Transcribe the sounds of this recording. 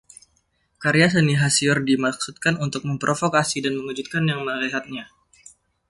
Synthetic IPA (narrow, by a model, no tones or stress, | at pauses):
kaɾias̬əniɦasiɔrdimak̚sut̪̚kanunt̪ʊk̚məmpɾʔofokasidanməŋud͡ʒut̪̚kanjaŋməɾeɦat̪̚ɲa